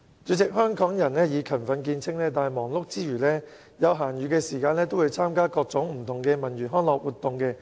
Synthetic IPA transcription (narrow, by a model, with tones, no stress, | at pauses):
t͡ʃyː˨˥t͡sɪ˨k̚hœː˥ŋkɔː˨˥ŋjɐ˨˩nlɛː˥jiː˨˧kʰɐ˨˩nfɐ˨˧nkiː˧nt͡sʰɪ˥ŋlɛː˥t̪aː˨ɐ˨˩jmɔː˨˩ŋlʊ˥k̚t͡siː˥jyː˨˩lɛː˥ | jɐ˨˧wɦaː˨˩njyː˨˥kɛː˧siː˨˩kaː˧nlɛː˥t̪o˥wu˨˧wt͡sʰaː˥mkaː˥kɔː˧k̚t͡sʊ˨˥ŋm̩˨˩t̪ʰʊ˨˩ŋkɛː˧mɐ˨˩njyː˨˩nɦɔː˥nlɔː˨k̚wuː˨t̪ːʊ˨ŋkɛː˧